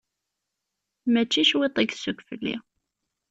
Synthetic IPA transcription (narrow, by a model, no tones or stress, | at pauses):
mæt͡ʃːiʃwit̪ˤeɡθsːʊkːfə̰lːḭ